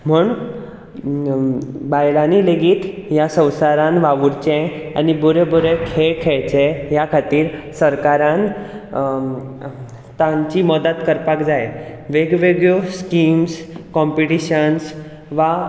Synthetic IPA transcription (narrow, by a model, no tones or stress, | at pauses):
m̤uɳ | bajlanileɡiːt̪jasə̃w̃saɾãnʋaʋuɾt͡ɕẽa̰nibuɾebuɾekʰekʰeɭt͡ɕẽjakʰat̪iːɾsəɾkaɾãn | t̪ãɲt͡ɕiməd̪ət̪kəɾpakd͡zajeʋeɡʋeɡjoskimskɔmpiʈiɕəns | ʋa